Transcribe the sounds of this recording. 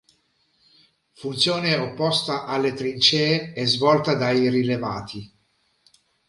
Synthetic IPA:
funt̪sjoːneopːɔst̪aʔalːet̪ɾint͡ʃɛːɛzvɔlt̪ad̪ajrileva̰ːt̪ʰi

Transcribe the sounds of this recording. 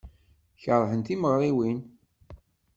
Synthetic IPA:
çəɾˤħənt̪iməʁɾˤiwin

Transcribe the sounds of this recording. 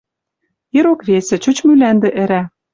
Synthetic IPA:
ĕɾokβʲesʲɘ̆t͡ɕut͡ɕmylænd̪ĕʔɘ̆ɾæ

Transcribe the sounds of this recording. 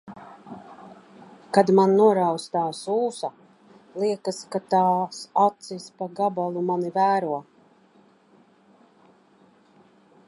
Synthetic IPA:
kad̪manːuɔɾawst̪aːsuːsa | lˠiɛkaskat̪aːsat̪sispaɡabalˠumanivæːɾuɔ

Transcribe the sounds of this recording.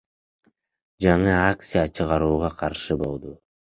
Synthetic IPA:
d͡ʒɑɴɯak̚t̪sijat͡ʃʰɯʁɑɾuːʁɑqʰɑɾʃɯbo̞lˠd̪ʊ

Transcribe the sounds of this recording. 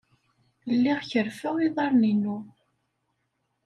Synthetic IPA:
lːiʁçəɾfæwiðˤɑɾˤninu

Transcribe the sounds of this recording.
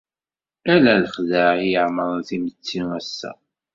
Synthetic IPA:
ælæləχðəijəʕməɾˤθimət͡sːiŋæsːæ̰

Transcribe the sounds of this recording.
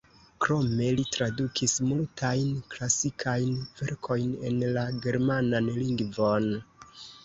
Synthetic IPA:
kɾo̞me̞litɾadukʰismultʰajnklasikʰajnve̞ɾkʰo̞jne̞̰nlaɡe̞ɾmananliŋɡvo̞n

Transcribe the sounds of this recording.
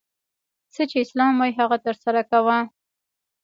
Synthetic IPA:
sət͡ʃeɪslɑmwajɦaɣat̪əɾsaɾakawa

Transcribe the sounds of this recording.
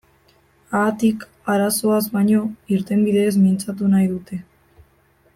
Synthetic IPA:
at̪ik | aɾaso̞azβaɲo̞iɾt̪e̞mbiðe̞ːzmint͡sat̪̬unajðut̪e̞

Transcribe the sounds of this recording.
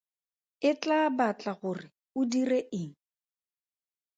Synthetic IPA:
ɪt͡ɬʼabat͡ɬʼaɣʊrɪ | ʊdireʔɪŋ̩

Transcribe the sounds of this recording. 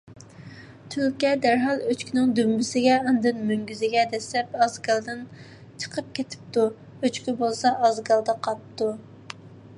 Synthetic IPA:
t̪ʰylkʲɛd̪æɾɦɑlˠøt͡ʃkʲinɪŋd̪ymbɪsɪɡʲɛɑnd̪ɨnmøŋɡʲyzɪɡʲɛd̪ɛslɛp̚ɑzɡɑlˠd̪ɨn | t͡ʃʰə̥qʰəp̚kʲʰet̪ʰɪ̥p̚t̪u | øt͡ʃkʲibolˠsɑʔɑzɡɑlˠd̪ɑqʰɑpt̪u

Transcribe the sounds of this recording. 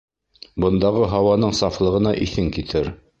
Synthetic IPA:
bɤ̆nd̪ɑʁɤɦɑwɑnɤɴsɑflˠɤ̆ʁɤ̆nɑʔiθɘŋkit̪ʰɘɾ

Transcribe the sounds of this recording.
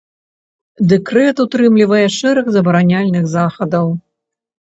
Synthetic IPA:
d̪ɛkɾɛt̪ut̪ɾɨmlʲivɐjɛʂɛɾɛxzɐbɐɾanʲalʲnɨxzaxɐd̪ɐw

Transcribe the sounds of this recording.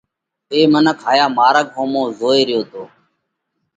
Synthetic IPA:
eːmənəkɦaːjaːmaːɾək̚õːmõːzoːeːɾɪjoːt̪oː

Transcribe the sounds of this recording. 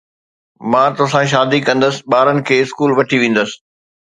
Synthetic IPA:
mãːt̪ʊsãʃ̬aːd̪ikɐ̃nd̪əsɪ̥ɓaːɾənɪ̆kʰeːɪskuːlʋɐʈʰiʋẽːn̆d̪əsɪ̥̆

